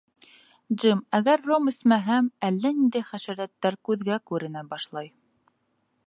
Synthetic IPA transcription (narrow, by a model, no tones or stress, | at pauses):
d͡ʒɘmæɡæɾːomɘ̆smæɦæmælːænind̪ɘχæʃæɾæt̪ːæɾkʉðɡækʉɾɘ̆næbɑʃlˠɑj